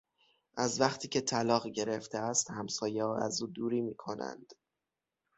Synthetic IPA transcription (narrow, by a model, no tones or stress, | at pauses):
ʔæzvæχt̪ʰiːcʰe̞t̪ʰælɒːɣɟe̞ɾe̞ft̪ʰeæst̪hæmsɒːjeɒæ̰zuːd̪uːɾiːmiːkʰo̞næ̰nd̪̥